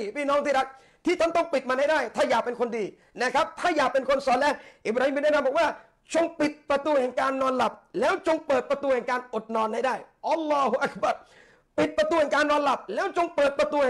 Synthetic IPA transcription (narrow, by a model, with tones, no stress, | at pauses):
pʰiː˥˩nɔː˦˥ŋt̪ʰiː˥˩ɾa˦˥k̪̚ | t̪ʰiː˥˩t̪ʰa˥˩nt̪ɔ˥˩ŋpi˨˩t̪̚maː˧ha˥˩jdaː˥˩jt̪ʰaː˥˩jaː˨˩k̚pe˧nkʰo˧ndiː˧ | na˦˥˩kʰɾp̚t̪ʰaː˥˩jaː˨˩k̚pe˧nkʰo˧nsɔː˨˦nlɛː˦˥˩ʔiː˨˩bɾa˧hi˦mi˧nɛ˥˨na˧mbɔː˨˩k̚waː˥˩ | t͡ɕo˧ŋpi˨˩t̪̚pɾa˧t̪uː˧hɛ˨˩ŋkaː˧nːɔː˧nla˨˩p̚lɛː˦˥wt͡ɕo˧ŋpɤː˨˩t̪̚pɾa˧t̪uː˧hɛː˨˩ŋkaː˧nʔo˨˩t̪̚nɔː˧nha˥˩jdaː˥˩jʔa˧˥lːɔː˦˥˩hu˧ʔa˧˦k̚ba˨˩ɾ | pi˨˩t̪̚pɾa˧t̪uː˧hɛː˨˩ŋkaː˧nːɔː˧nla˨˩p̚lɛː˦˥wt͡ɕo˧ŋpɤː˨˩t̪̚pɾa˧t̪uː˧ɛ˨